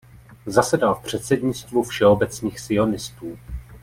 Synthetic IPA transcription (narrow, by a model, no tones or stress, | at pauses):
zasɛdalfpr̝̥ɛt̪sɛdɲɪt͡st̪vufʃɛo̞bɛt͡sɲiːxsɪo̞nɪst̪uː